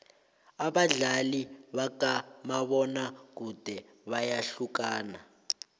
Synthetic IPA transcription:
aβaɮaliβakamaβɔnak̬ud̥ʱɛ | βajaɬukaːna

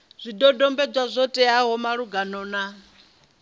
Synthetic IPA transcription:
z̥ʷidɔdɔmbɛd͡ʒwazʷɔtʼɛaɦɔmaɺuɡanɔːna

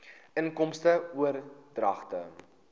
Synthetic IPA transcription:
əŋkɔmstəuərdrɐ̰χtə̰

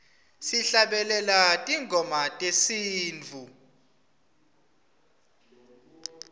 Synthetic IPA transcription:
siɬaɓɛlɛlatʼiŋɡʱɔmatʼesiːnt͡fu

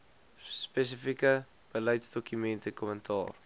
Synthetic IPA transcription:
spɛs̬əfikə | b̥ələjtsdɔkymɛntəkɔməntʰɑ̰ːr

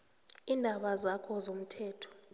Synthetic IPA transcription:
iːndʱaɓazakʰɔzom̩tʰɛːtʰɔ̥

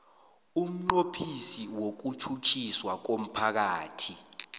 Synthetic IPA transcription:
um̩ŋ͡ǃopʰisiwok̬ut͡ʃʰut͡ʃʰiswak̬om̩pʰak̬aːtʰi

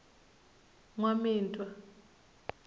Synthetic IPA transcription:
ŋwamiːntʼwa

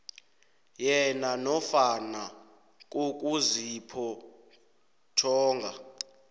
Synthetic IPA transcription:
jɛnanɔfana | k̬ʼuk̬ʼuzipʰɔ | tʰɔːŋɡʱa

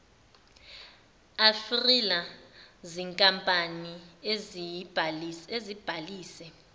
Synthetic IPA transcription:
afrilaziŋkʼampʼanie | ezib̥ʱaliːsɛ

